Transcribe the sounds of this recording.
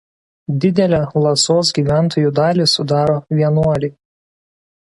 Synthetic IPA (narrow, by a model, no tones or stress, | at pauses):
d̪ʲɪd̪ʲɛlʲɛlˠɐsoːs̬ɡʲiːʋʲæˑnˑt̪oːjuːˑd̪ɑːlʲisʊd̪ɑːɾoːʋʲiɛnuɔlʲɪ